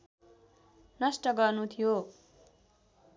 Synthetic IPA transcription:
nʌsʈʌɡʌɾnut̪ʰijo

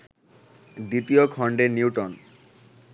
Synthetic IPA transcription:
d̪it̪iokʰɔɳɖeniwʈon

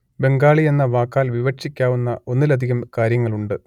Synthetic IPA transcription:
be̞ŋɡaːɭijenːɐʋaːkːaːlʋiʋɐʂikʲːaːʋunːɐʔo̞nːilɐd̪ʱiɣɐmkaːɾjɐŋːɐɭuɳɖɨ

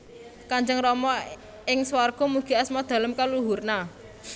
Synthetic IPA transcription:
kaɲd͡ʒəŋrɔmɔ | ɪŋswarɡ̥ɔ̤muɡ̥i̤asmad̪̥a̤ləmkaluɦurna

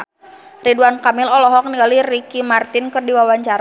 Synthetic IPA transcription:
riduankamɪlɔlɔɦɔk̚niɡaliɾikimart̪ɪnkɨrdiwawaɲt͡ʃaɾ

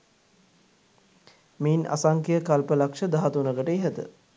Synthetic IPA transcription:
menʔa̰saŋkijəkalpəlakʂəd̪aɦat̪unəkəʈəiɦəd̪ə̰

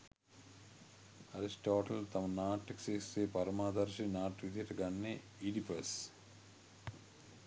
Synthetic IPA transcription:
ɐɾisʈoːʈɐlt̪ɐmɐnaːʈːɐksesepɐɾɐmaːd̪ɐɾʃinaːʈːʋid̪ʱiɦɐʈɐɡanːe | iɖipɐs

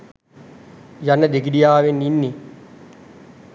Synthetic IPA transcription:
janːəd̪eɡiɖijaːʋenːinːi

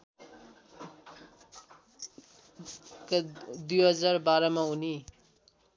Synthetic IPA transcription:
kd̪ujɦʌd͡zarbaɾʌmaɦuni

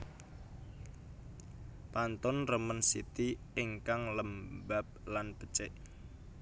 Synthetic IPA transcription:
pant̪ʊnrəmənsit̪i | iŋkaŋləmbap̚lanb̥ə̤t͡ʃeʔ

